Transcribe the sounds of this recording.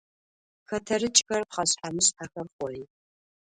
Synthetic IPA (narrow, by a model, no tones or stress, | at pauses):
xɐtʰɐɾɨt͡ʃʼxɐrpχɐɕħamɨɕħaxɐrχʷɔri